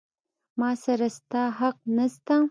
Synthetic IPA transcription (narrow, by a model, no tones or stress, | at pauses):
mɑsaɾast̪ɑɦaq̚nast̪a